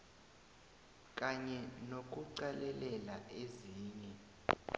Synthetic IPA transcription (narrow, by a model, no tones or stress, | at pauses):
k̬ʼaɲɛnok̬ʼuǀalɛlɛlaeziːɲɛ